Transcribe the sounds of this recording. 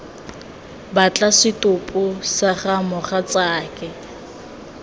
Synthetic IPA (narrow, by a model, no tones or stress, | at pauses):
bat͡ɬʼasɪtʼʊpʼʊsaχamʊχat͡saːkɛ